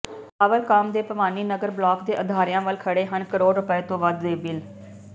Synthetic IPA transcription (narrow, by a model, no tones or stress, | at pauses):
əʋəlkəmd̪eːpəʋaːniːnəɡəɾblɔːkd̪eːʔəd̪ʱaːɾɪjãːʋəlkʰəɽeːɦənkəɾoːɽɾʊpəeːt̪õːʋəd̪zeːbɪl